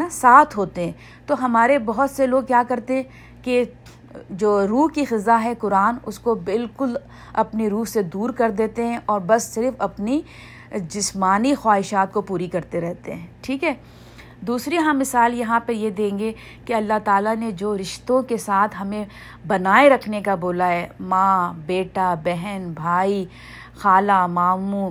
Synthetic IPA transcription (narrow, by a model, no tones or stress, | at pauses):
nasaːt̪ʰɦoːt̪eɦɛ̃ː | t̪oɦɐmaːɾebɐɦʊt̪seloːɡ̚kjaːkɐɾt̪eɦɛ̃ː | ke | d͡ʒoːɾuːɦkixɪzːaɦɛkʊɾaːnʊ̰skobɪlkʊl | ɐ̰pniɾuːɦsed̪uːɾkɐɾd̪eːt̪eɦɛ̃ʔɔːɾbɐsːɪɾfɐpni | d͡ʒɪsmaːnixwaːɦɪʃaːt̪kopuːɾikɐɾt̪eɾɛɦt̪ḛɦɛ̃ːʈʰiːkɦɛː | d̪uːsɾiɦãmɪsaːljɐɦãpɐɾjed̪ẽːŋɡe | keɐlːaɦt̪aːlaned͡ʒoːɾɪʃt̪õkesaːt̪ʰɦɐmẽ | bɐnaːeɾɐkʰnekaboːlaɦɛːmãːbeːʈabɛɦɛnbʱaːi | xaːlamaːmũː